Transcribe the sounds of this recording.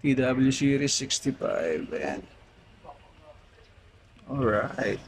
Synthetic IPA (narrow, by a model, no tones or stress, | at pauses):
t̪id̪abɪljusiɾisːɪkst̪ifa̰jvɛ̰̃n | ɔɹaɪt̪̚